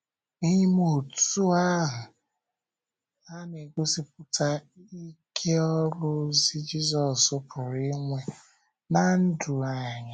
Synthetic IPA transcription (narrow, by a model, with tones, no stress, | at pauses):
i˦ɲi˦mo˨tu˦a˦ɦʊ˨ | a˦ne˨ɡʷo˦si˦p̚ʊ˦tʰa˦ | i˦kʰe˦ɔ˦ɾʊ˦zi˦d͡ʒi˦zɔ˨sʊ˦pʰʊ˨ɾi˦ŋʷe˦ | na˦n̩˦du˨a˨ɲa˨